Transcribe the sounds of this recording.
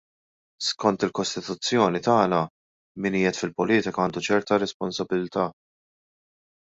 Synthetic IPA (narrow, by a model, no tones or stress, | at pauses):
skɔnt̪ɪlkɔst̪ɪt̪ʊt͡sːjɔːnit̪ɐːnɐ | mɪniːjɛt̪fɪlpɔliːt̪ɪkɐɐːnd̪ut͡ʃɛɾt̪ɐɾɛspɔnsɐbɪlt̪ɐː